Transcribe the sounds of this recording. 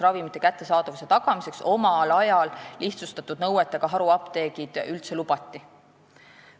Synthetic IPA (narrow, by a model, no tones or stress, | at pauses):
rɑvimit̪ːˑe̞kæt̪ːˑe̞sɑːd̪̥ɑvuse̞t̪ɑɡ̥ɑmise̞kso̞mɑlɑjɑlːiht̪sust̪ɑt̪ːˑud̪̥̚nɤwet̪ːˑeɡ̥ɑɦɑɾuɑpt̪e̞ːɡid̪̥ylt̪se̞lub̥ɑt̪ːi